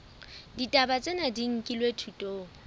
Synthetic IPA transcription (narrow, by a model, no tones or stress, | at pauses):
ditʼabat͡sʼenadiŋ̩kʼilwetʰutʼoːŋ̩